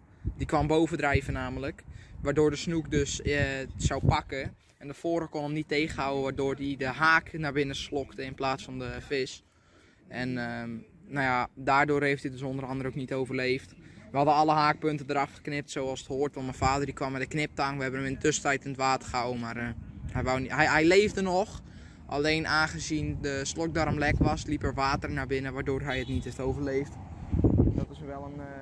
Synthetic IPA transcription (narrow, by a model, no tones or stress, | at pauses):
dikʋambowvədrɛjvənaːmələkʋaːrdoːɹdəsnukdøsəsawpɑkə | ɛndəfoːɾəkonəmniteːχəawəʋaːrdoːrdidəɦaːknarbɪnəsloktəɪnplaːsfɑndəfɪs | ɛnə | najadaːɹdʊːrhejftdiədøs̬ondərɑndəroknitowvərleːftʋəhadəɑlˠəɦaːk̚pøntədəɾɑfχə̥knɪp̚tsoːalˠsə̥thoərtʋɑntmɛjfaːdərdikʋamɛdəknɪp̚taŋʋəɦɛbənəʋɪnətøsətɛjtɪnətʋaːtərxawmarhɛjʋawhɛɦɛjleːvdənɔx | ʔa̰leːnʔaːnχəzindəslɔk̚dɔɾmlɛkʋɑslipərʋaːtərnabɪnəʋaːdoːrɦɛjətnitheftowvərleːft | dɔtɪsʋɛlˠən